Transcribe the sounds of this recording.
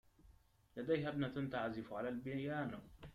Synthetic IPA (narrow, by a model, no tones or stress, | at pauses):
lad̪ajhabnat̪ant̪aʕazɪfʕalalbjaːn